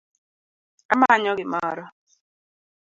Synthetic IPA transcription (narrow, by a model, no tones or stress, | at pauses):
amaɲɔɡɪmɔ̰ɾɔ